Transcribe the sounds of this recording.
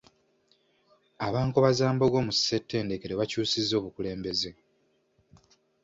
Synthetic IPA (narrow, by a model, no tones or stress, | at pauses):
aβaːŋkoβazaːmbo̞ɡo̞ːmusse̞tʰːe̞ːnde̞keɾeβacuːsizːo̞ːβukule̞ːmbe̞ze